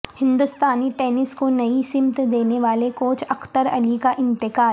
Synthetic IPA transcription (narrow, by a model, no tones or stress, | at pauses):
hɪ̃nd̪ʊst̪aːniʈɛːnɪskonɐisɪmt̪d̪eːneʋaːlekoːt͡ʃʰɐxt̪əɾɐlikaʔɪ̃nt̪ɪkaː